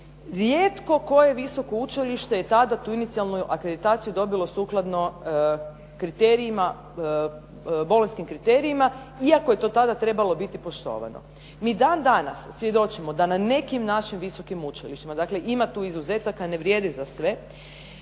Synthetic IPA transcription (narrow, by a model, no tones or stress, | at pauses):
ɾjeːt̪ko̞ko̞je̞ʋiso̞ko̞ut͡ʃiliʃt̪e̞jet̪ad̪at̪uːinit̪sialˠnuuʔakɾe̞d̪it̪aːt̪sijud̪o̞bilˠo̞suːklˠad̪no̞ | kɾit̪e̞ɾiima | bo̞lonʲskimkɾit̪e̞ɾiima | iako̞je̞t̪o̞t̪ad̪at̪ɾe̞balo̞bit̪ipo̞ʃt̪o̞̰ːʋa̰no̰ | miːd̪aːnd̪anasːʋje̞d̪o̞t͡ʃimod̪anane̞kimnaʃimʋiso̞kimut͡ʃiliʃt̪imad̪akle̞ʔimat̪uːizuzet̪akane̞ʋɾjed̪izasʋe̞